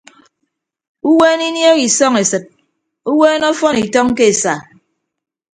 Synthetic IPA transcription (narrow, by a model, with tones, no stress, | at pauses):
u˦weː˦ni˦njo˦ki˨sɔ˦ŋe˨sɨ˨t̚ | u˦weː˦nɔ˦fɔ˦ni˨tɔ˦ŋ˦ke˦e˨sa˨